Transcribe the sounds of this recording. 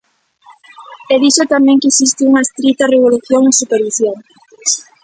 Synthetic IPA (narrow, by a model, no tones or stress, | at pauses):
ɛðiʃot̪amɛ̃ŋkesist̪ɪuŋɐest̪ɾit̪ɐreβ̞oluθjoŋsupeɾβiθjen